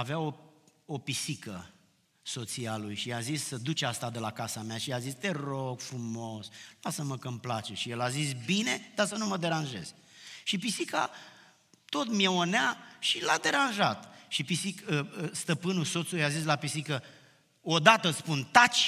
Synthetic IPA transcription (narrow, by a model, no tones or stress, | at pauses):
aveaoo̞pisikə̰ | so̞t̪sialujʃiazisːəd̪ut͡ʃast̪ad̪e̞lakasameaʃiazist̪ero̞ɡfɾumo̞slasəməkəmplat͡ʃeʃijelazis̬bine̞d̪̥asənuməd̪e̞ɾanʒe̞̰z̥ | ʃipisika̰ | t̪o̞t̪mjeoneaʃilad̪e̞ɾanʒat̪ʃipisikəst̪əpɨnuso̞t̪sulujazis̬lapisikə | od̪at̪əspunt̪at͡ʃʲ